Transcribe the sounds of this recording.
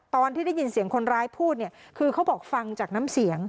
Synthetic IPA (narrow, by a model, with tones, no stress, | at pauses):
t̪ɔː˧nt̪ʰiː˥˩da˥˩jːi˧nsi˨˩˦əŋkʰo˧nɾaː˦˥jpʰuː˥˩t̪̚ni˥˩əkʰɯː˧kʰa˦˥wbɔː˨˩k̚fa˧ŋt͡ɕaː˨˩k̚naː˦˥msi˩˦əŋ